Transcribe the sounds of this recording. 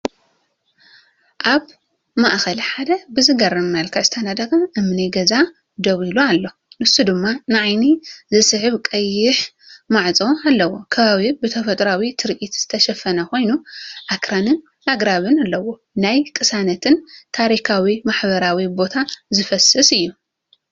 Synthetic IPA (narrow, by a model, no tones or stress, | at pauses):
ʔaβ | maʔxɐlħad̪ɐbɨzɨɡɐɾɐmnalkʰast̪ʰɐnad̪ɐkʼɐʔɨmniɡɐza | d̪ɐwiloalːo̞ | nɨsːud̪ɨmːanɨʕajnizɨsʼɨʕɨβkʼɐjːɪħ | maʕt͡sʼo̞alːɐwokʰɐβaβibɨt̪ʰɐfɐt̪ʼɾawit̪ʰɨɾʔit̪z̥ɨt̪ʰɐʃɐfɐnɐko̞jnuʔakɾanɨn | ʔaɡɾaβɨnalːɐwo | najkʼɨsanɐt̪ʰɨnt̪ʰaɾikʰawimaħbɐɾawibo̞t̪ʰazɨfɐsɨsɨjːu